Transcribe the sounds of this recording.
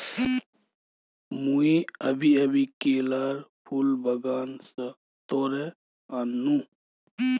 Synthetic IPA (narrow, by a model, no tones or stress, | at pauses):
muiəbʱiɐbikeːlaɾpʰulbəɡaːnsə | t̪ɔːɾɛ | anːũ